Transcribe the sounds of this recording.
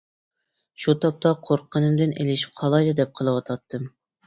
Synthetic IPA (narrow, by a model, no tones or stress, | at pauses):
ʃut̪ʰɑp̚t̪ʰɑqʰoɾqʰːənɨmd̪ɨnʔḛlɪʃi̥p̚qʰɑlˠɑjd̪ɨd̪ɛp̚qʰəlˠɨwɑt̪ʰɑt̪ʰːɨm